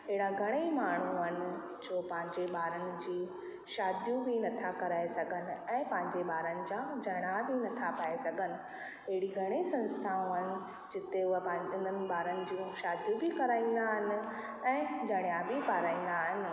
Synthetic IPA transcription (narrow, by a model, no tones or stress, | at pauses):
ɪɦɪɽãɡʱɐɽ̃emaːɳ̤uɦənɪ̆ | d͡ʑoːpɐ̃ɦɪ̃ɲd͡ʑeɓaːɾənɪ̆d͡ʑiː | ʃaːd̪jũbɪnɐt̪ʰakɐɾaːesɐɡʱənɪ̆ɛ̃ːpɐ̃ɦɪ̃ɲd͡ʑeɓaːɾənɪ̆d͡ʑaːd͡ʑɐɽ̃abɪnɐt̪ʰapaesɐɡʱənɪ̆ | ɐɦɪɽiɡʱɐɽ̃isɐ̃nst̪ʰaːũɦənɪ̆ | d͡ʑɪt̪eʊɦɐ̃ɪ̃ɪn̤ənɪ̆ɓaːɾənɪ̆d͡ʑũːʃaːd̪jũbɪkɐɾaːĩːn̆d̪aɦɪnɪ̆ | ɛ̃ːd͡ʑɐɽ̃jabɪpaːɾaːĩːn̆d̪aɦɪnɪ̆